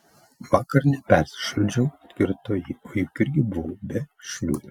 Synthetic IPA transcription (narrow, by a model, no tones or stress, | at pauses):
ʋɑːkɐɾnʲɛpʲɛɾʲsʲɪ̥ʃlʲʊd͡ʒʲɛɐt̪ʲkʲɪɾt̪oːjɪoːjʊkɪɾʲɡʲɪbʊʋobʲɛʃʲlʲuːd̪ʲɛ